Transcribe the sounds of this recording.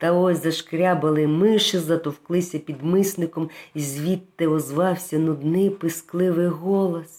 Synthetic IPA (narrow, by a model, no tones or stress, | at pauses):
t̪ɐɔsʲzɐʃkɾʲabɐlˠɪmɪʃɪzɐt̪ɔwklˠɪsʲɐpʲid̪mɪsnɪkɔmizʲʋʲit̪ːɪɔzʋɑwsʲɐnʊd̪nɪjpɪsklˠɪʋɪjɦɔlˠɔs